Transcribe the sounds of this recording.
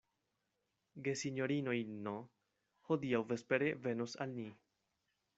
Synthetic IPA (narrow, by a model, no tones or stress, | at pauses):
ɡesiɲoɾinojno | hod̪iawvespeɾeve̞nusa̰lni